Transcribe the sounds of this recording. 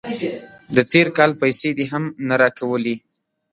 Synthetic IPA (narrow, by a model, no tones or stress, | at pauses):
d̪ət̪eɾkɑlpajsed̪iɦamnaɾɑkawəli